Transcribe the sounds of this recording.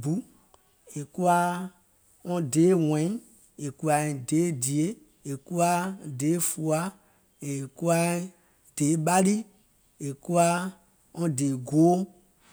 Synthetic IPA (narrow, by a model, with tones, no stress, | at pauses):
bu˨˦ | e˨ku˦a˦ | ɔ̃˦de˨˦wɛ̃˨˦ĩ˦ | e˨ku˦a˨ĩ˨de˨˦di˨e˦ | e˨ku˦a˦˨de˨˦fu˨a˦ | e˨ku˦a˦ | d̥e˨˦ɓa˦li˦ | e˨ku˦a˦ | ɔ̃˦de˨ɡo˨˦